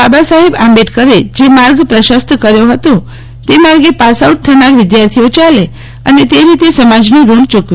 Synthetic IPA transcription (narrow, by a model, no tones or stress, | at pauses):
babasaɦebãmbeʈkəɾed͡ʒemaɾɡpɾəʃəst̪ʰkəɾjoɦət̪õ | t̪emaɾɡepasauʈ̚t̪ʰənaɾʋɪd̪jaɾt̪ʰiot͡ʃale | ənet̪eɾit̪esəmad͡ʒniɾult͡ʃukʋ